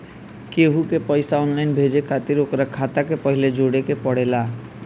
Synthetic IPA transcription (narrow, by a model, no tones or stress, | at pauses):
keɦukepəɪsaɔnlaɪnbʱed͡ʒekʰat̪iɾokɾakʰat̪akepəɦiled͡ʒoɽekepəɽela